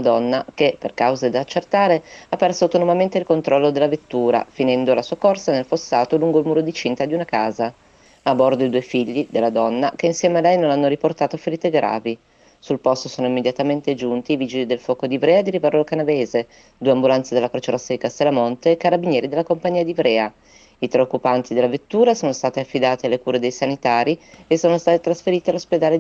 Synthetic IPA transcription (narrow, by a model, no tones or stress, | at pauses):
nad̪ɔnːakeperkawzed̪aːt͡ʃːert̪aːɾeapːɛrsoawt̪onomament̪eilkont̪ɾɔlːod̪elːavet̪ːuːɾa̰finɛnd̪oalasuːakɔrsanelfosːaːt̪oluŋɡoilmuːɾod̪it͡ʃint̪ad̪iunakaːza | abɔrd̪oid̪uɔjfiʎːid̪elːad̪ɔnːakeinsjɛːmealɛjnonanːoɾiport̪aːt̪ofeɾiːt̪eɡɾa̰ːvi | sulpɔst̪osoːnoimːed̪jat̪ament̪ed͡ʒunt̪iːvid͡ʒilid̪elfɔːkod̪ivɾɛːad̪iɾivaɾlokanaveːze | d̪uːeambulant̪sed̪elakɾoːt͡ʃeɾast̪ːejikast̪elːamont̪ekːaɾabinjɛːɾid̪elːakompaɲːiːad̪ivɾɛːa | it̪ɾeokːupant̪id̪elːavet̪ːuːɾasoːnost̪aːt̪eafːid̪aːt̪ealːekuːɾed̪ejsanit̪aːɾiesːoːnost̪aːt̪et̪ɾasfeɾiːt̪ialːosped̪aːle